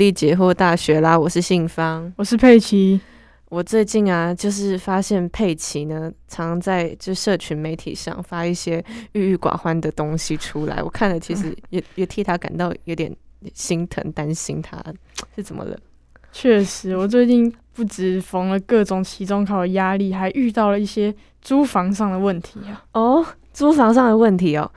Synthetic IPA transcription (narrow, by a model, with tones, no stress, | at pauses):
li˥˩t͡ɕjɛ˧˥xo˥˧t̪a˥˩ɕɥɛ˧˥la˨wɔ˨˩ʂɻ̩˥˧ɕi˥˩ŋfɑ˥ŋwɔ˨˩ʂɻ̩˥˧pʰe˥˩ɪt͡ɕʰi˧˥ | wɔ˨˩t͡swe˥˧ɪt͡ɕi˥˩na˩t͡ɕjo˥˧ʊʂ̬ɻ̩˥˩fa˥ɕjɛ˥˧npʰe˥˩ɪt͡ɕʰi˧˥˦nə˧ʈ͡ʂʰɑ˧˥ŋt͡sa˥˧ɪt͡ɕo˥˧ʂʂɤ˥˩t͡ɕʰy˧˥nme˧˥ɪt̪ʰḭ˨˩ʂɑ̰˥˩ŋfa˥i˥˩ɕjɛ˥y˥˧y˥˩kwa̰˨˩xwa˦nd̪ə˨t̪ʊ˥ŋɕi˨˩ʈ͡ʂʰu˥la̰˧˥ɪwɔ̰˨˩kʰa˥˩nlə˩t͡ɕʰi˧˥ʂɻ̩˧˥jɛ˨˩jɛ˨˩t̪ʰi˥˩t̪ʰa˥ka̰˨˩nt̪ɑ˥˩ʊjo˧˥ʊt̪jɛ̰˨˩nɕi˥ŋt̪ʰə̰˧˥ŋt̪a˦nɕi˥ŋt̪ʰa̰˦˥ʂɻ̩˥˩t͡sə̰˨˩nmə̰˦lə̰˦ | t͡ɕʰɥɛ˥˩ʂɻ̩˧˥wɔ˨˩t͡swe˥˧ɪt͡ɕi˥˧ŋpu˥˩ʈ͡ʂɻ̩˨˩fɑ˧˥ŋlə˧kɤ˥˩ʈ͡ʂʊ˨˩ŋt͡ɕʰi˧˥ʈ͡ʂʊ˥ŋkʰɑ˨˩ʊd̪ə˩ja˥li˥˩xa˧˥ɪʔy˥˧t̪ɑ˥˩ʊlə˩i˥˩ɕjɛ˥ | t͡su˥fɑ˧˥ŋʂɑ˥˩ŋd̪ə˩wə˥˩nt̪ʰi˨˧˥ɐ˨˦ɔ˥˩ | t͡su˥fɑ˧˥ŋʂɑ˥˩ŋd̪ə˩wə˥˩nt̪ʰi˨˥ɔ˨˩